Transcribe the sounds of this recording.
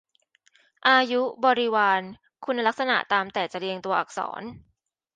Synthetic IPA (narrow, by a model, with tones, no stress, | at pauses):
ʔaː˧ju˦˥bɔː˧ɾi˦waː˧n | kʰu˧nːa˧la˦˥k̚sa˧na̰˨˩ʔt̪aː˧mt̪ɛː˨˩t͡ɕa˨˩ɾi˧əŋt̪u˧ɐʔa˨˩k̚sɔ̰ː˩˦n